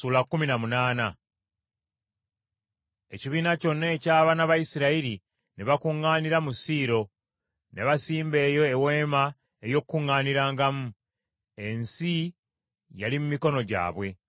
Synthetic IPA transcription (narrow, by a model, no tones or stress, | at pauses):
uːlakːuminamunaːna | e̞̰ciβiːnaco̞nːeːcaːβanaβajisiɾaiɾi | neβakuŋːaːniɾamusiːɾo̞ | ne̞βasiːmbe̞ːjo̞ewe̞ːma | ejo̞kːuŋːaːniɾaːŋɡamu | e̞nsi | jalimumiko̞no̞ɟa̰ːβwe̞